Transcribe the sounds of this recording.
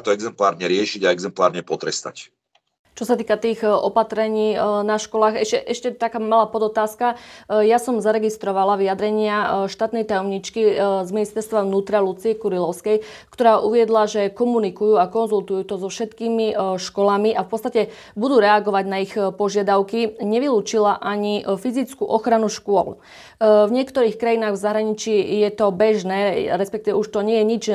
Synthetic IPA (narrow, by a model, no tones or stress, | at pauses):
t̪ɔɛɡzɛmplaːɾɲɛɾɪɛʃiɟaɛɡzɛmplaːɾɲɛpɔt̪ɾɛst̪a̰c | t͡ʃɔsat̪iːkat̪iːɣɔpat̪ɾɛɲiːnaʃkɔlaːɣɛʃcɛʔɛʃcɛt̪akaːmalaːpɔd̪ɔt̪aːskajasɔmzaɾɛɡist̪ɾɔʋalaʋiad̪ɾɛɲɪaʃt̪aːt̪nɛjt̪ajɔmɲit͡ʃkizminist̪ɛɾst̪ʋaʊnuːt̪ɾalut͡siɛkuɾilɔʊskɛj | kt̪ɔɾaːʔuʋɪɛd̪laʒɛkɔmunikujuːakɔnzult̪ujuːt̪ɔzɔfʃɛt̪kiːmiʃkɔlamiʔafpɔtt͡st̪acɛ | bud̪uːɾɛaɡɔʋaɟnaixpɔʒɪad̪aʊkiɲɛʋiluːt͡ʃilaʔaɲifizit͡skuʔɔxɾanuʃkʊɔ̰l | vɲɪɛkt̪ɔɾiːxkɾajinaːɣvzaɦɾaɲit͡ʃijɛt̪ɔbɛʒnɛːɾɛspɛk̚t̪iʋɛuʃt̪ɔɲɪɛjɛɲid͡ʒ